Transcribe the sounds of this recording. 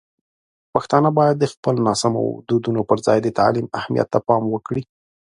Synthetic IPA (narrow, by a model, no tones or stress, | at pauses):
paxt̪ɑnəbɑjad̪ːəxpəlnɑsamo̰d̪ud̪unopəɾzɑ̰jd̪ət̪a̰lima̰hmija̰t̪ːapɑmwəkɽi